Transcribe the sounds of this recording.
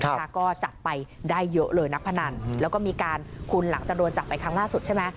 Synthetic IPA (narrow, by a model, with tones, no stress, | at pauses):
kɔː˥˩t͡ɕa˨˩t̪̚pa˧jdaː˥˩jːɤ˦˥ʔlɤː˧jna˦˥k̚pʰa˧na˧nlɛː˦˥wkɔː˥˩miː˧kaː˧nkʰu˧nla˩˦ŋt͡ɕa˨˩k̚du˧ənt͡ɕa˨˩p̪̚pa˧jkʰa˦˥ŋlaː˥˩su˨˩t͡ɕa˥˩jmɛ˦˥